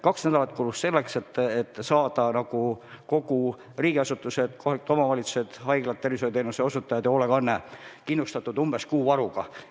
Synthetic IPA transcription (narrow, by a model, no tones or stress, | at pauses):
kɑksnæd̪ɑlɑt̪ːˑkulust̪se̞lːekse̞t̪ːet̪ːsɑːd̪̥ɑnɑɡ̥u | ko̞ɡ̥u | riːɡ̥iɑsut̪ːˑuse̞d̪̥ko̞hɑliku̥t̪omɑvɑlʲit̪su̥se̞d̪̥hɑjɡlɑt̪t̪ːervisojt̪eːnuseo̞sut̪ːˑɑjɑd̪eo̞leɡɑnːekinlust̪ɑt̪ːˑud̪̥umb̥e̞skuːɑɾuɡ̥ɑ